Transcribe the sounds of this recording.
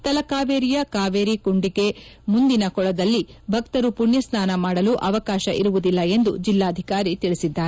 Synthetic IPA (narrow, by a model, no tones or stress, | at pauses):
t̪ɐlɐkaːʋeːɾijɐkaːʋeːɾikuɳɖiɡe̞mund̪inɐkɔɭɐd̪ɐlːibʱɐkt̪ɐɾupuɳjɐsnaːnɐmaːɽɐluʔɐʋɐkaːʃɐʔḭɾuʋud̪ilːɐe̞nd̪ud͡ʒilːaːɐd̪ʱikaːɾit̪iɭisid̪ːaːɾe